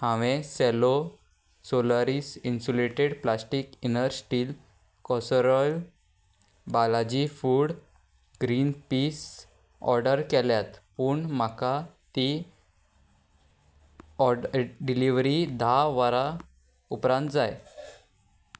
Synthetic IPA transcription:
hãʋẽsɛlo | soləɾiːsinsuleʈeɽplasʈikinəɾsʈiːl | kɔsɾɔjl | balad͡ʑifuːɽ | ɡɾiːnpis | ɔ̰ɾɖəɾkɛljat̪puːɳm̤akat̪i | ɔɖiliʋɾid̪ʱaʋaɾa | upɾãnt̪d͡zaj

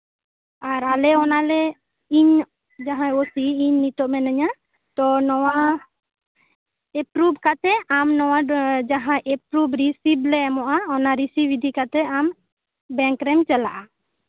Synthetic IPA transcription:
aɾalɛɔnalɛ | iɲ | d͡ʒaɦãosiiɲːit̪ɔʔmɛnaɲa | t̪ɔnɔwa | ɛpɾubkat̪ɛamnɔwad͡ʒaɦãʔɛpɾubɾisiblɛɛmɔʔaɔnaɾisiwid̪ʱikat̪ɛam | bɛ̃ŋkɾɛmt͡ʃɛla̰ʔa

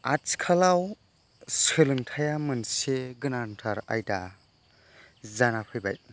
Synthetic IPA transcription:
at͡ʃkʰalaw | sɯlɯŋtʰajamɯnseɡɯnantʰaɾa̰jda | zanapʰɯjba̰j̚

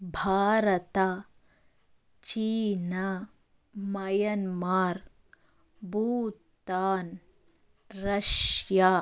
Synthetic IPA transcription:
bʱaːɾɐt̪a | t͡ʃiːna | mɐjɐnmaːɾ | buːt̪ːaːn | ɾɐʃja

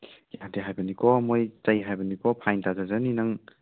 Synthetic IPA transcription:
jatiɦajbɐnikʰɔmojt͡ʃajɦajbɐnikɔpʰajntazazaninɐŋ

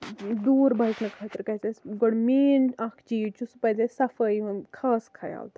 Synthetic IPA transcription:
d̪uːɾbɐjknɐkʰɐt̪ɾkɐt͡sɐsɡɔɽmeːnɐkʰt͡ʃiːt͡ʃusupɐjzɐsɐfɐjkʰaːskʰɐja̰ːlt̪ʰ

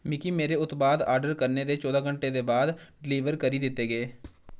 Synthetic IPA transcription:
mɪkiːmeːɾeːʊt̪baːd̪a̰ːɾɖəɾkəɾneːd̪eːt͡ʃɔːd̪aːkəɳʈeːd̪eːbaːd̪ɖɪliːʋəɾkəɾiːd̪ɪt̪ːeːɡeː

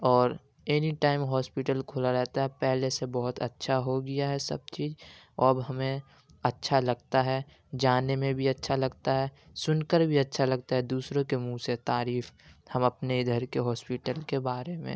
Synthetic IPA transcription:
ɔːɾ | eniʈaːɪmɦɔːspɪʈəlkʰoːlaɾɛɦt̪aɦɛpɛɦlesebɔɦʊt̪ɐ̰tːʃʰaɦoɡɪjaɦɛsɐ̰b̚t͡ʃiːd͡ʒ | ɔbɦɐmẽ | ɐtːʃʰalɐɡt̪aɦɛː | d͡ʒaːnemẽbʱiɐtːʃʰalɐɡt̪aɦɛː | sʊnkəɾbʱiɐtːʃʰalɐɡ̚t̪aɦɛd̪uːsɾõkemũset̪aːɾiːfhɐmɐpneɪd̪ʱəɾkeɦɔːspɪʈəlkebaːɾemḛ̃

